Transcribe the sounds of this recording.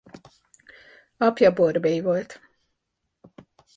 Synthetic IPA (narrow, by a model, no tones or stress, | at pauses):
apjabuɔɾbɛjɡɔjt̪